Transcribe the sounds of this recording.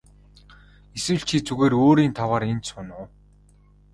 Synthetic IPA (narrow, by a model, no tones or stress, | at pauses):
eswɘ̆ɮt͡ɕʰit͡suɣeːɾoːɾiːnt̪ʰawaːɾent͡ɕ̪sʊnʊː